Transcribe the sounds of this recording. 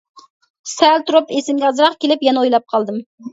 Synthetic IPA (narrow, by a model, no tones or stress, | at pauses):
sælt̪ʰuɾupesɪmɡʲɑzɾɑχkʲelɪpjɛnɛojlˠɑp̚qʰɑlˠd̪ɨm